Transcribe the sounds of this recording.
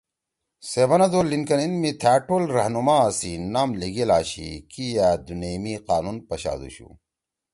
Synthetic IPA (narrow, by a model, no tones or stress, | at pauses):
sebɐnɐd̪olinkɐninmit̪ʰaːʈolɾɐhnumaːsinaːmliɡelaːɕḭkijad̪unemiqaːnunpɐɕa̰ːd̪ṵɕṵ